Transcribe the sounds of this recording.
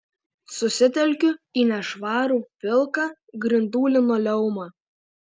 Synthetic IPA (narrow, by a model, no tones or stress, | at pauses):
sʊsʲɪt̪ʲɛlʲkʲʊiːnʲɛʃʋɑːɾuːpʲɪlˠkɑ | ɡɾʲɪnd̪uːlʲɪnoːlʲɛʊmɑː